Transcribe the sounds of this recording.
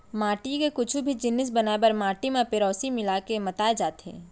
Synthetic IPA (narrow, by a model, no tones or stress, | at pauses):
maːʈikekʊt͡ʃʰubʱid͡ʒɪnːɪs̬bɐnaːebɐɾmaːʈimẽpeɾɔːsimɪlakemɐt̪aːed͡ʒaːt̪ḛ̃ː